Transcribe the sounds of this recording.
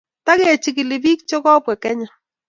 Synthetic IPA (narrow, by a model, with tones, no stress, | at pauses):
ta˦ke˨t͡ʃɪ˨kɪ˨lɪ˨bi˦k̚t͡ʃo˦kɔ˦bwɛ˨kɛ˦ɲa˨